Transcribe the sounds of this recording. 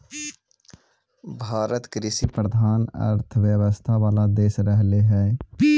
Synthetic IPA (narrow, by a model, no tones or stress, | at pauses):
bʱaːɾət̪kɾɪsipɾəd̪ʱaːnə̰ɾt̪ʰʋjəʋəst̪ʰaʋaːlad̪eːʃɾəɦleɦɛː